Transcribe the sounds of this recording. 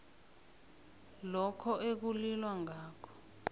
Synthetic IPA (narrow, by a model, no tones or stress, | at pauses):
lɔkʰɔʔek̬ulilwaŋaːkʰɔ̥